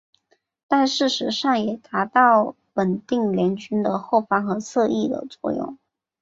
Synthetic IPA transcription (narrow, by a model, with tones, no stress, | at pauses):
t̪a˥˧nʂɻ̩˥˩ʂɻ̩˧˥ʂɑ˥˩ŋjɛ˨˩t̪a˧˥t̪ɑ˥˩ʊ | pə˨˩nt̪i˥˩ŋljɛ˧˥nt͡ɕy˥nd̪ə˨xo˥˩ʊfɑ˥˩ŋxɤ˧˥t͡sʰɤ˥˧i˥˩d̪ə̰˩t͡swɔ̰˥˧jʊ̰˥˩ŋ